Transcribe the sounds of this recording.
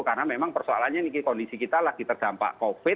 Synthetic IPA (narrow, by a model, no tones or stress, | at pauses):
karnamemaŋpərsoa̰lanɲanikikɔndisikit̪alaɡ̥i̤t̪ərd̥ampa̰ʔkofɪ